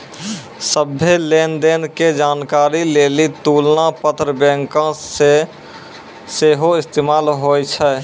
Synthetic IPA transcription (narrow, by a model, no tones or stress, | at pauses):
səbːeleːnd̪eːnked͡ʒaːnkaːɾileːlit̪uːlnapət̪ɾəbɛ̃ːŋkãse | seːɦoɪst̪eːmaːlɦojt͡ʃʰɛ